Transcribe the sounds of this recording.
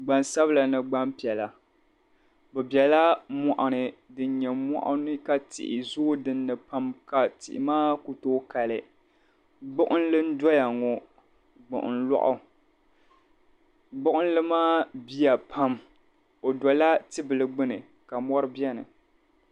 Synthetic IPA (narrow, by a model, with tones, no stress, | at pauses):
ɡ͡ba˨nsa˦bɨ˦la˨nɨ˦˨ɡ͡ba˦mpi˨ɛ˨la˨ | bɛ˨bjɛ˨la˦mɔ˨ʔa˨nɨ˨dɨ˦n˦ɲɛ˨mɔ̰˦˨ʔʊ̰˦nɨ˦ka˨tɪ̰˨ʔɪ˨zoː˦dɨ˦nːɨ˨pa˦mka˨tɪ̰˨ʔɪ̰˨maː˦ku˨toː˦ka˨lɨ˨ | ɡ͡bʊ˦ʔʊ˦n̩˦lɨ˦n̩˦dɔ˦ja˨ŋɔ˨ | ɡ͡bʊ̰˨ʔʊ̰˨n̩˦lɔ̰˦ʔʊ̰˦ | ɡ͡bʊ˦ʔʊ˦n̩˦lɨ˦maː˦bi˦a˨pʰa˦m | o˨dɔ˨la˦tɨ˦bɨ˨lɨ˨ɡ͡bɨ˦nɨ˨ | ka˨mɔ˦ɾɨ˦bi˦ɛ˦nɨ˨